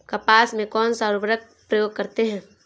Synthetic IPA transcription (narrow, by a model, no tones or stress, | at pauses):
kapaːsmẽkɔːnsaɾʊbɾək̚ | pɾəjoːɡ̚kɐɾt̪eɦɛ̃ː